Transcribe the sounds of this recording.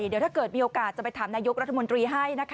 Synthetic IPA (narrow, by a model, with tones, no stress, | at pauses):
di˨˦t̪ʰːkɤː˨˩t̪̚miː˧ʔoː˧˩kaː˨˩t̪̚t͡ɕa˨˩pa˧jt̪ʰaː˩˦naː˧jo˦˥k̚ɾa˦˥t̪ʰːa˧mo˧nt̪ɾiː˧ɦa˥˩jna˦˥kʰ